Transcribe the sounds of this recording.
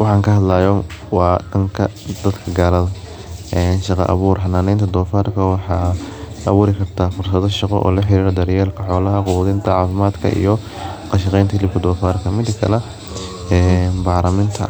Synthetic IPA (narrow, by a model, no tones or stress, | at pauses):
wɑħɑːŋkʰɐɦɐd̪lajɔwɑːɖɐŋkʰɐd̪ɐd̪kʰɐɡaːlɐðɐ | ɛːnʃɑqɑ̰ʔɐ̰βuːrħɑnaːnɛjnt̪ʰɐd̪ɔːfaːrkʰɐwɑħɑːɐβuːɾɪkʰɐrt̪ʰaːfʊrsɐðɔʃɑqɔ̰ʔɔ̰ːlɐħɪɾiːɾɐd̪ɐɾjɛːlkʰɐħɔːlɐɦɐqʊwɐðɪnt̪ʰɐʕɑːfɪmaːd̪kʰɐ̰ʔḭjɔ | qɑʃɪqɛjnt̪ʰlɪb̚kʰɐd̪ɔːfaːrkʰɐmɪd̪kʰɐ̰lɛ | ɛːnbɑːɾɐmɪnt̪ʰɐ̰